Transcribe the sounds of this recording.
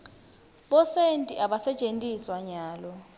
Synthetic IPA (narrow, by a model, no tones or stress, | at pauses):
ɓɔsentʼiʔaɓasɛt͡ʃʼentʼiswaɲaːlɔ